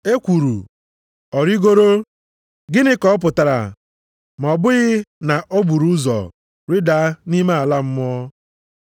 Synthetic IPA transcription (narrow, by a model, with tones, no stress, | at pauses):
e˦kʷu˨ɾṵ˨ | ɔ˨ɾi˦ɡo˦ɾo˦ | ɡɪ˦nɪ˦kɔ˦pʊ˨ta˨ɾa̰˨ | m˨ɔ˨bʊ˦ɣɪ˦na˨ʔo˦ɡ͡bu˨ɾu˦zɔ̰˨ | ɾi˦da˨˦ni˦me˦a˨la˦m̩˦m˦ɔ˦